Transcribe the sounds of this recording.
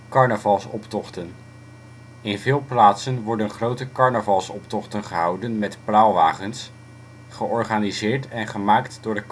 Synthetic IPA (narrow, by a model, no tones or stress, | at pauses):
kɑɹnəvɑlˠsɔ̰ptɔχtən | ɪnvɪːlˠplaːtsənʋɔɹdənχrowtəkɑɹnəvɑlˠsɔptɔχtənχəɦɑwdənmɛtpraːlˠʋaːχəns | χəʔɔɹχaːnizɪːɹtɛnχəmaːktdʊːɹdək